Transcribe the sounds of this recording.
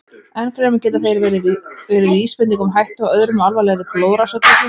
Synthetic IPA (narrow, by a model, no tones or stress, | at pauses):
ɛnkʰɾɛːmɪcɛːt̪aθejɾɛɾɪvɛːɾɪɾiːspɛnt̪iŋkɔmɦajht̪ɔɣœðɾʏmalvajlɛɣðɪploːwðɾasœt̪ak̪ɪ